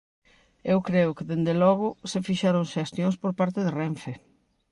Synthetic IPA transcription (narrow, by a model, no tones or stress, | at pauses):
ewkɾeʊkɪðend̪elɔɣ̞ʊsefiʃaɾõŋʃest̪jõŋspoɾpaɾt̪ɪðereɱfe